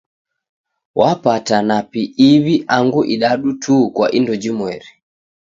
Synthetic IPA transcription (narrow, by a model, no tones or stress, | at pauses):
wapatanapiːβiʔaŋɡuʔiɗaɗutʰukwaʔindɔd͡ʒimwɛɾi